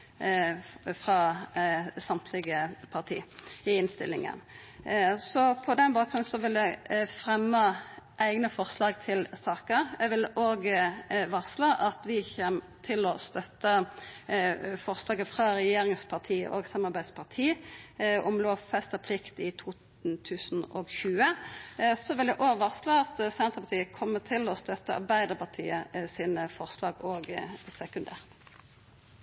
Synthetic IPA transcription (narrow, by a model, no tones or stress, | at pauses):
fʁɑ | sɑmt̪ʰlɪɡəpʰɑʁt̪ʰḭːɪɪnst̪ɪ̰lɪŋə̰n | sɔpʰɔd̪ɛnbɑːk̚ʁʉn̩sɔʋɪld̪ɛfʁɛmːəʔæɪɡnəfɔʁslɑːɡt̪ʰɪlsɑːkəɾɛʋɪloːɡəʋɑʁslɑʔɑt̪ʋɪçɛm | t̪ʰɪlɔst̪œt̪ːə | fɔʁslɑːɡəfʁɑːʁɛjeːʁɪŋspʰɑʁt̪ʰḭːʔo̰ːɡsɑmɑɾbæɪspʰɑʁt̪ʰiː | ʊmloːfɛst̪əpʰlɪkt̪ɪt̪ʰuː | t̪ʰʉːsn̩ɔɡçʉːə | sɔʋɪljæʔoːɡʋɑʁslɑɑt̪sɛnt̪əpɑt̪ʰiːəkʰɔmːət̪ʰɪlɔst̪œt̪ːəʔɑ̰ɾbæɪd̪əʁpɑʁt̪ʰḭːəsiːnəfɔʁslɑːɡoːɡsɛkʉnd̪ḛːʁt̪